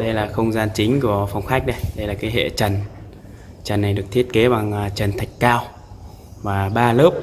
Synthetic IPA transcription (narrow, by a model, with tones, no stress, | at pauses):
ɗə˧jlaː˨˩xə˧wŋ͡mzaː˧nt͡ɕï˨˦ŋ̟ku˧˩əfa˨˩wŋ͡mxaː˦˥k̟̚ɗə˧jɗə˧jlaː˨˩kaː˨˦jɦḛ˧˨t͡ɕə˨˩n | t͡ɕə˨˩nːa˨˩jɗɨ˨˩ək̚t̪ʰi˦˥ət̚ke˨˦ɓa˨˩ŋː˨˩t͡ɕə˨˩nt̪ʰa˨˩jk̟̚kaː˧w | vaː˨˩ɓaː˧ləː˦˥p̚